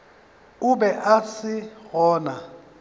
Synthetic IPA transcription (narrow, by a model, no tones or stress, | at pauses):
ʊbɛʔasɪɣɔːna